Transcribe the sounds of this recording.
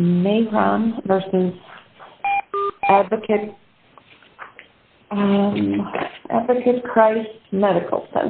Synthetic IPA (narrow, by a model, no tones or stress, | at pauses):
meɪɹãʊ̃nvɜ˞sɨz̥ | ædvɨkʰɨt̚ | ʌ̃mʔæ̰dvɨkʰɨt̚kʰɹ̥aɪsmɛɾɨkʰl̩ˠsɛ̰̃n